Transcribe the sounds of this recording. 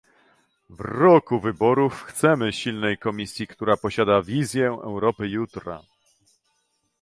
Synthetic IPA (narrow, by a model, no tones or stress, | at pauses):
vɾɔkuvɘbɔɾufxt̪sɛmɘɕilnɛjkɔmʲisʲjikt̪uɾapɔɕad̪avʲizʲjɛɛ̰wɾɔpɘjut̪ɾa̰